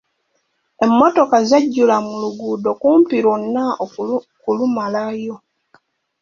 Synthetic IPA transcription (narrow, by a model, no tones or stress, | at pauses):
e̞mːoto̞kazaɟːulamuluɡuːdo̞kuːmpiɾonːao | kulumalajo̞